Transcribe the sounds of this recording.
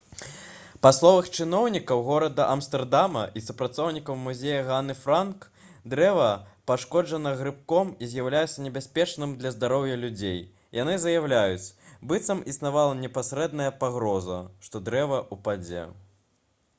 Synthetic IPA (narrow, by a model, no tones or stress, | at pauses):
paslˠɔvɐxt͡ʂɨnɔwnʲikɐwɣɔɾɐd̪ɐʔɐmst̪ɛrd̪amɐʔisupɾat̪sɔwnʲikɐwmuzʲejɐɣanɨfɾank | d̪ɾɛvɐpaʂkɔd͡ʐɐnɐɣɾɨp̚kɔmizʲjawlʲajɛsʲɐnʲɛbʲasʲpʲɛt͡ʂnɨmd̪lʲɐzd̪aɾɔwjɐlʲud͡zʲej | janɨzɐjawlʲajut͡sʲbɨt̪sɐmisnavalˠɐnʲɛpasʲɾɛd̪nɐjɐpaɣɾɔzɐ̰ʂt̪ɔd̪ɾɛvɐʔupad͡zʲɛ̰